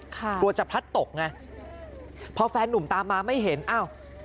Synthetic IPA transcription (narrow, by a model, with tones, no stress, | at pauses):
kʰtu˧ət͡ɕaː˨˩pʰa˦˥t̪ːo˨˩k̚ŋa˧˥ | pʰɔ˧fɛː˧nːu˨˩mt̪aː˧mːaː˧ma˥˩jɦe˩˦nʔaː˧˥˩w